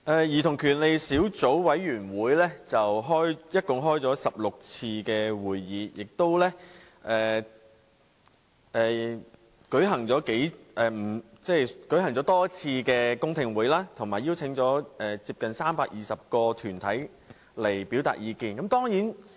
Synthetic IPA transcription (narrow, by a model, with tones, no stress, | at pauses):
ʔɛː˨jiː˨˩t̪ʰʊ˨˩ŋkʰyː˨˩nle˨jsiː˨˥wt͡so˨˥wwɐ˨˥jɥyː˨˩nwuː˨˥jlɛː˥t͡sɐ˨wɦɔː˥jjɐ˥t̚kʊ˨ŋɦɔː˥jt͡sɔː˨˥sɐ˨p̚lʊ˨k̚t͡sʰiː˧kɛː˧wuː˨˩jjiː˨˧jɪ˨k̚t̪o˥wlɛ˥ | ʔɛː˨˩ | ʔɛː˨ | kɵ˨˥ɥɦɐ˨˩ŋt͡sɔː˨˥ke˨˥jʔɛː˨m̩˨˩ | t͡sɛ˥˩jkɵ˨˥ɦɐ˨˩ŋt͡sɔː˨˥t̪ɔː˥t͡sʰiː˧kɛː˧kʊ˥ŋt̪ʰɪ˧ŋwuː˨˥jlaː˥t̪ʰʊ˨˩ŋmaː˨˩jiː˥wt͡sʰɪ˨˥ŋt͡sɔː˨˥ʔɛː˨t͡siː˧p̚kɐ˨nsaː˥mpaː˧k̚jiː˨˩sɐ˨p̚kɔː˧t̪ʰyː˨˩nt̪ʰɐ˨˥j | le˨˩jpi˨˥wt̪a̰ː˨t̚jiː˨˧kiː˧nkɐ˨˦mt̪ɔː˥ŋjiː˨˥n